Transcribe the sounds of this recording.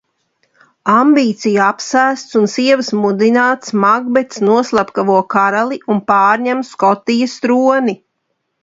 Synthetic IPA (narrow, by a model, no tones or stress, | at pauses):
ambiːt̪sijapsæːst̪sunsiɛvsmud̪inaːt̪smaɡbɛt̪snuɔslˠapkavuɔkaɾalˠiʔunpaːɾɲɛmskɔt̪ijəst̪ɾuɔni